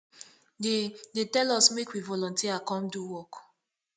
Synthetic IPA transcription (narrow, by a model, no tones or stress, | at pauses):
dedetɛlɔsmekwivɔlɔ̃ntiakɔ̃mduwɔk